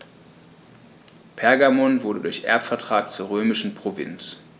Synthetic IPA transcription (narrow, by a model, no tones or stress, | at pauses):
pʰɛɐɡamɔnvʊɐdədʊɐçʔɛ̰ɐpfɛɐtʁ̥aːkt͡suːɐʁ̞øːmɪʃn̩pʁ̥ovɪ̰nt͡s